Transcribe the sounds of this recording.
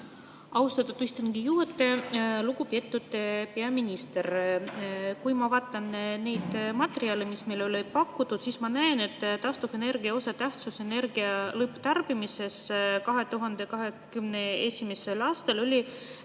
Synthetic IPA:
ɑust̪ɑt̪ːut̪ist̪ɑnkijuɦet̪ːˑe̞lukupet̪ːut̪ːpeɑminʲist̪er | kujmɑvɑːt̪ːˑɑnnejd̪̥mɑt̪ːeɾiɑlemismejlolejt̪̚pɑkːut̪ːut̪sismɑnæene̞t̪ːˑt̪ːɑst̪ufe̞ne̞rɡ̥iɑo̞sɑt̪æht̪susene̞rɡ̥iɑlɤpːt̪ærb̥imise̞skɑɦe̞t̪uɦɑnd̪̥e̞kɑɦe̞kymne̞esʲimese̞lɑːst̪ɑlo̞lʲi

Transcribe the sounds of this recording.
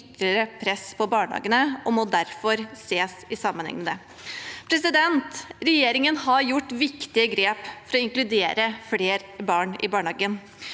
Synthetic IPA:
t̪ləɾəpʰɾɛspʰɔbɑːɳhɑ̰ːɡənəɔmɔd̪æɾfɔɾseːsɪsɑmːənhɛ̰ŋmɛd̪ɛ | pʰɾɛsɪd̪ɛnt̪ɾɛjeːɾɪŋənɦɑɾjʊʈːʋɪkt̪ɪəɡɾeːpfɔɾɔɪŋklʉd̪eːɾəfleːɾbɑːɳɪ̰bɑːɳhɑːɡən

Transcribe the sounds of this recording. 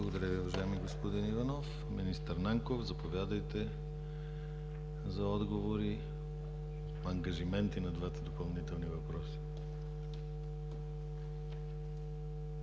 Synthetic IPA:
blˠɐɡod̪ɐɾʲəviʊvɐʒajɛmiɡospod̪inivɐnɔf | minist̪əɾnaŋkofzɐpovʲjad̪əjt̪ɛ | zɐɔd̪ɡovoɾi | ɐŋɡɐʒimɛnt̪inɐd̪vat̪əd̪opɐlˠnit̪ɛlˠnivɐpɾɔsi̥

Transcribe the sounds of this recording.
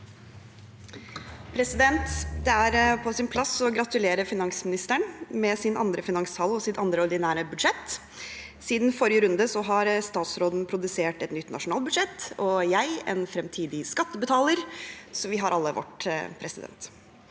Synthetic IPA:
pʰɾɛsɪd̪ɛnt̪d̪ɛæɾpʰɔsɪnpʰlɑsɔɡɾɑt̪ʉleːɾəfɪnɑŋsmɪnɪst̪əɳmɛsɪnʔɑ̰nd̪ɾəfɪnɑŋsʰɑlɔsɪt̪ɑnd̪ɾəɔɾɖ̪ɪnæːɾəbʉd̪ʂɛt̪ | siːd̪nfɔɾɪjəɾʉnd̪əsɔɦɑɾst̪ɑːt̪sɾoːd̪n̩pʰɾʊd̪ʉseːʈɛt̪nʏt̪ːnʔɑ̰ʂʊnɑːl̚bʉd̪ʂɛt̪ɔjæɪɛ̰nfɾɛmt̪ʰiːd̪ɪskɑt̪ːəbət̪ʰɑːləɾsɔʋɪɦɑɾʔɑlːəʋɔ̰ʈpʰɾɛsɪd̪ɛ̰nt̪

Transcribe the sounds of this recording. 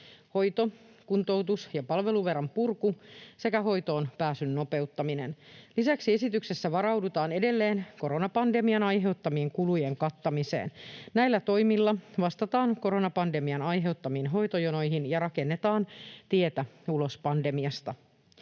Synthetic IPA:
ho̞jt̪o̞kunt̪o̞wt̪usjɑpɑlʋe̞luʋe̞rɑmpurkuse̞kæɦo̞jt̪o̞ːnpæːsynːo̞pe̞ut̪ːɑminenlisæksie̞sit̪ykse̞sːæʋɑɾɑwdut̪ɑːne̞de̞lːe̞ːnko̞ɾonɑpɑnde̞miɑnɑjɦe̞ut̪ːɑmie̞ŋkulujeŋkɑt̪ːɑmise̞̰ːnnæilːæt̪o̞jmilːɑʋɑst̪ɑt̪ɑːnko̞ɾonɑpɑnde̞miɑnɑjɦe̞uwt̪ːɑmiːnɦo̞jt̪ojono̞jɦinjɑɾɑke̞nːe̞t̪ɑːnt̪ie̞t̪æulo̞spɑnde̞miɑst̪ɑ

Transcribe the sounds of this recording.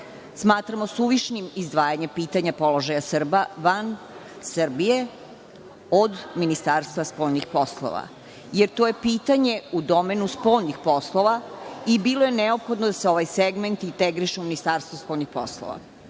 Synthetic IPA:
smaːt̪ɾamo̞suʋiʃnimizd̪ʋaːjaɲempiːt̪aɲapolˠoʒajasr̩baʋan | srbije̞ | od̪minist̪aːɾst̪vaspojnixposlˠo̰ʋa̰ | jeɾt̪oje̞piːt̪aɲe̞ud̪o̞menuspo̞ʎnixpo̞slˠo̞ʋaibilo̞je̞neopxo̞d̪nod̪aseo̞ʋajseɡment̪int̪eɡɾiʃeuminist̪aːɾst̪ʋospolʲnixpo̰slˠo̰ʋa̰

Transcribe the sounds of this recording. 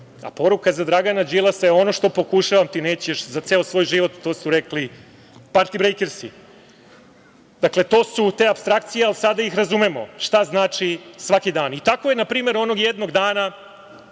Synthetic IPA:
a̰po̞ɾukazad̪ɾaɡanad͡ʒilˠasajeo̞no̞ʃt̪o̞po̞kuʃaʋamt̪ineːt͡ɕieʃzat̪seːosʋo̞ːjʒiʋo̞t̪ːo̞ːsuɾekli | paɾt̪ibɾejkeɾsi | d̪akle̞t̪o̞ːsut̪e̞ːapst̪ɾak̚t̪sijealisad̪aixɾazumemo̞̰ʃt̪aznaːt͡ʃisʋakid̪aːnit̪ako̞jenapɾiːme̞ɾo̞no̞ɡjed̪no̞ɡd̪aːna

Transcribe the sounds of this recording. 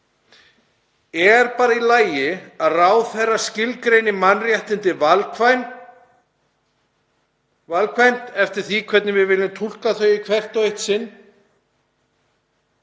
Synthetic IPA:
ɛɾpaːɾailaːjɪaðraːwθɛrːascɪlkɾejnɪmanːrjɛht̪ɪnt̪ɪvlaj | valkʰvajm̥t̪ɛft̪ɪɾ̥θikʰvɛt̪nɪvɪðvɪːlɪmt̪ʰul̥kaθœːɥikʰvɛr̥t̪ɔejht̪sɪnː

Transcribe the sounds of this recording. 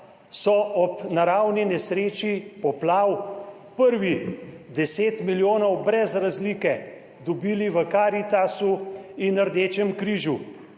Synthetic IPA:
sɔʔɔpnaɾaːwninɛsɾeːt͡ʃipɔplaːw | pəɾʋid̪ɛseːt̪miljoːnɔwbɾɛzɾazliːkɛ | d̪ɔbiːliʋəkaːɾit̪asuinːəɾd̪eːt͡ʃɛmkɾiːʒu

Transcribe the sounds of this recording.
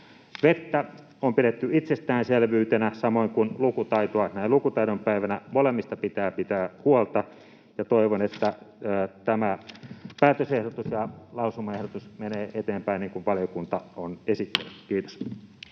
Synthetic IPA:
ʋet̪ːæ | ompiɾet̪ːyit̪sest̪æːnselʋyːt̪enæsɑmoiŋkunlukut̪ɑit̪oɑˑsnæilukut̪ɑiɾompæiʋænæmolemːist̪ɑpit̪æːpit̪æːhuolt̪ɑ | jɑt̪oiʋonet̪ːæː | t̪æmæpæːt̪øsehɾot̪usjɑlɑusumːɑehɾot̪usmeneːʔet̪eːmpæiniːŋkuʋʋɑlijokunt̪ɑonesit̪ːḛnykiːt̪o̥s

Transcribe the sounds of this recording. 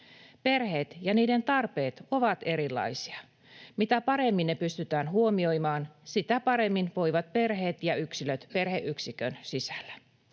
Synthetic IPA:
pe̞rhe̞ːt̪jɑniːde̞nt̪ɑrpe̞ːt̪o̞ʋɑt̪e̞ɾilːɑ̰isiɑ | mit̪æpɑɾe̞mːinːepyst̪yt̪æːnɦuomio̞jmɑːnsit̪æpɑɾe̞mːinʋo̞jʋɑt̪̚pe̞rɦeːt̪jɑyksiløt̪pe̞rheʔyksikønsisælːæ̥

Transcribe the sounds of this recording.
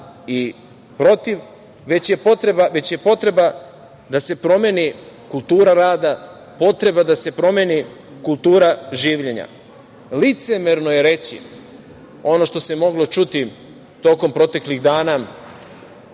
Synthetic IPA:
i | pɾo̞t̪iʋ | ʋe̞t͡ɕje̞po̞t̪ɾebaʋe̞t͡ɕje̞po̞t̪ɾe̞ba | d̪ase̞pɾo̞mjenikulˠt̪uːɾaɾaːd̪a | po̞t̪ɾe̞bad̪ase̞pɾo̞mje̞ni | kulˠt̪uːɾaʒiːʋʎe̞ɲa̰ | lit̪se̞meɾnoje̞ɾe̞t͡ɕḭ | o̞no̞ʃt̪o̞semo̞ɡlˠo̞t͡ʃut̪i | t̪o̞ko̞mpɾo̞t̪e̞kliɣd̪aːna

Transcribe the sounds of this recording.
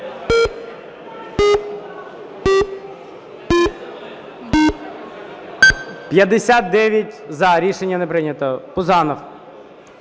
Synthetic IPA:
pjɐd̪esʲat̪̚d̪ɛʋʲjɐtʲzɐɾʲiʃenʲːɐnepɾɪnʲɐt̪ɔpʊzɑnɔw

